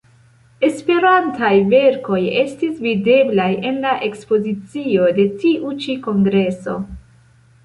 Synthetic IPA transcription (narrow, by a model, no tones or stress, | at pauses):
e̞spe̞ɾantajve̞ɾko̞je̞stisvide̞blaje̞nlaʔe̞kspo̞zit͡sio̞de̞tiʔut͡ʃiko̞ŋɡɾe̞so̞̰